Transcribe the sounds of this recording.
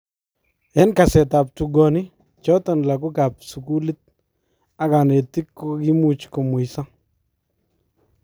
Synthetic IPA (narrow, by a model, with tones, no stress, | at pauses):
ɛ˦nka˨sɛ˨ta˨p̚tu˨ɡɔ˨nɪ˦ | t͡ʃɔ˦tɔ˨nla˨kʊ˦ka˨p̚su˨ku˦lɪ˦t̪̚ | a˦ka˨ne˨ti˦kːo˦ki˦mu˦t͡ʃkɔ˨mʊ˨jsa˦